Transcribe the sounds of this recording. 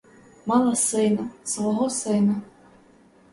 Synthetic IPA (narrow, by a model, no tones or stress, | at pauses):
mɑlˠɐsɪnɐsʋɔɦɔsɪnɐ